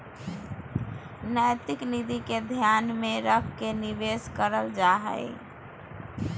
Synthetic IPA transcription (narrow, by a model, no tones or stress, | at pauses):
najt̪iknid̪iked̪ʱjanmeɾəkʰkeniʋeskəɾəld͡ʒaɦə̰j